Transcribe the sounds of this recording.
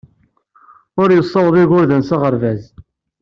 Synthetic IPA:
ʊɾjəsˤːɑwðˤɪɣʊɾðənsaʁəɾvæz

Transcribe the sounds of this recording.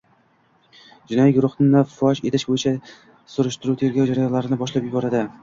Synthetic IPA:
d͡ʒɪnɒjiɡʲʊɾʊχnɪnafːɒt͡ʃe̞t̪ʰɪʃbojɪt͡ʃʰa | sʊɾɪʃt̪ɪɾuwt̪ʰe̞ɾɡʲawd͡ʒaɾajɒnlaɾɪnɪbɒʃlapjʊbɒɾad̪ɪ

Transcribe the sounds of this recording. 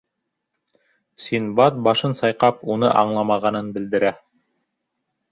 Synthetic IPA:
sʲinbɑt̪̚bɑʃɤnsɑjqɑpunɤʔɑ̰ɴlˠɑmɑʁɑnɤnbɘ̆ld̪ɘ̆ɾæ

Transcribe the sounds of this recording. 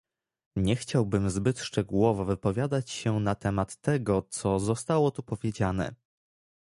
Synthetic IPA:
ɲɛxt͡ɕawbɘmzbɘt̪ʂt͡ʂɛɡuwɔvɔvɘpɔvʲjad̪at͡ɕɕɛnat̪ɛmat̪ːɛɡɔt̪sɔzɔst̪awɔt̪upɔvʲjed͡ʑanɛ̰

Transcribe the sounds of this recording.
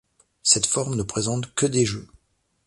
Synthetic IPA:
sɛt̪fɔʁmnəpχezɑ̃t̪kəd̪eʒø

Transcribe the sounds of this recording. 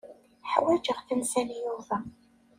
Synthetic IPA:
ħwæd͡ʒəʁθənsænijʊðˤɑ

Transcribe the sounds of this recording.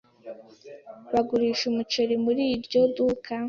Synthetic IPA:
βaɡuɾiːʃumut͡ʃoɾimuɾiːɾɟodukʰa

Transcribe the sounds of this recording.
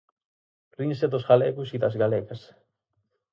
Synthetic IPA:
rins̬et̪osɣalekusit̪asɡaleɣes

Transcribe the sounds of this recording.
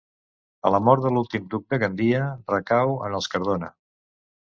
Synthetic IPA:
ə̰ləmɔɾt̪əlulˠt̪imd̪uk̚d̪əɣənd̪iərəkawə̰nəlˠskəɾð̞onə̰

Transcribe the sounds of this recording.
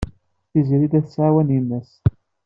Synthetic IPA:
θiziɾid̪æθsʕawæninːæs

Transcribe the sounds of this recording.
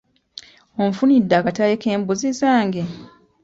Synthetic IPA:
oɱfunidːaːkatajeke̞ːmbuzizaːŋɡe

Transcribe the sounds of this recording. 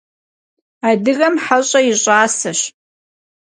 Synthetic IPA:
adɨɣɐmħaɕʼaiɕʼaːsaʃ

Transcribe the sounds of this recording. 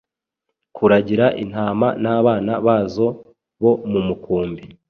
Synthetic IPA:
kʰuɾaɟiɾaʔin̥haːma̰naːβaːnaβaːzo̞ | βo̞mumukuːmbi

